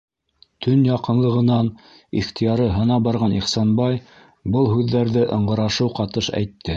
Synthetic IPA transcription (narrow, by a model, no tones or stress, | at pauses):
t̪ʰɵnjɑqɤ̆nlˠɤ̆ʁɤ̆nɑn | iχt̪ʰijɑɾɤɦɤ̆nɑbɑɾʁɑniχsɑnbɑj | bɤlˠɦʉðːæɾðɘʔɤ̆ɴɢɤ̆ɾɑʃɤwqɑt̪ɤʃæ̰jt̪ʰːɘ